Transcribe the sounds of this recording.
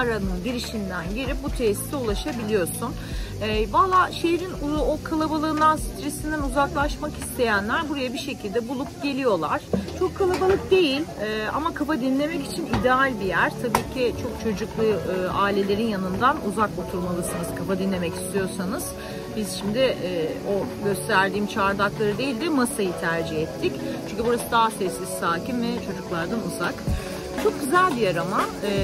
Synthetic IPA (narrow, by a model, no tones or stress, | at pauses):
ɾanɯnɟiɾiʃind̪ænɟeɾip̚but̪ʰeːsi̥siulˠaʃabilʲijo̞sun | ɛvalˠaːʃejeɾinuokʰalˠabalˠɯːnd̪ansi̥t̪ʰɾesind̪ænuzaklˠaʃmakist̪ʰe̞jænlʲæɾbuɾajabiʃe̞cʰilʲd̪ɛbulˠup̚ɟ̥e̞lʲijo̞lˠaɾ̥t͡ʃʰo̞kʰːalˠabalˠɯk̚d̪e̞jilʲɛa̰makʰafad̪inlʲe̞mɛcit͡ʃʰinid̪ɛalʲbijæɾ̥t̪ʰabiːcʰit͡ʃʰo̞k̚t͡ʃʰo̞d͡ʒuklˠuaːilʲe̞lʲe̞ɾinjanɯnd̪anuzako̞t̪ʰuɾmalˠɯsɯnɯz̥kʰafad̪inlʲe̞mɛci̥st̪ʰijo̞sanɯz̥ | biz̥ʃimd̪ɪʔo̞ɟøst̪ʰæɾd̪iːmt͡ʃʰaɾd̪aklˠaɾɯd̪e̞jilʲd̪ɛmasajɯt̪ʰæɾd͡ʒiɦɛt̪ʰːict͡ʃʰyɲʲcʰybuɾasɯd̪aɦasɛsːizsaːcimvɛt͡ʃʰo̞d͡ʒuklˠaɾd̪anuzak | t͡ʃʰo̞k̚ɟyzælʲbijaɾama